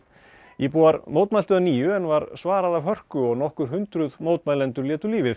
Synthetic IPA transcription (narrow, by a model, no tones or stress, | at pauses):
jɛpuːaɾmoːwt̪majl̥t̪ʏðaniːjʏɛnvaɾsvaːɾaðavɦœr̥kʏɔɣnɔhkʏɾ̥ɦʏnt̪ɾʏðmoːwt̪majlɛnt̪ʏɾljɛːt̪ʏɾliːvɪθ